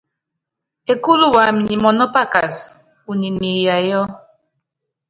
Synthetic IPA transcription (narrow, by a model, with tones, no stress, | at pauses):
e˨ku˦lu˦wa˨mi˨ɲi˨mɔ˨nɔ˦pa˦ka˨s | u˨ɲi˨ni˨ja˨jɔ˦